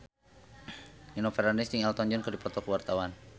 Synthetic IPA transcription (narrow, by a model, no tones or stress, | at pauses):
inɔfɛɾandist̪iŋɛlt̪ɔɲd͡ʒɔnkərdipɔt̪ɔkəwart̪awan